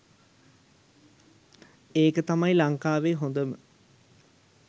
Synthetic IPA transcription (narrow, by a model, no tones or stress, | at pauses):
eːkət̪amɐjlɐŋkaːʋeːɦond̪əmə